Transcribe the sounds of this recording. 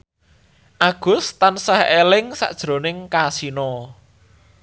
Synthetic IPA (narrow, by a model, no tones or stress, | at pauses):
ʔaɡ̥ʊ̤st̪ansahelɪŋsa̰ʔd̥ʒ̥ɾo̤nɪŋkasinɔ